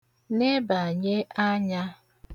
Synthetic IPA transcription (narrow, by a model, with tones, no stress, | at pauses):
ne˦ba˨ɲe˦a˦ɲa˦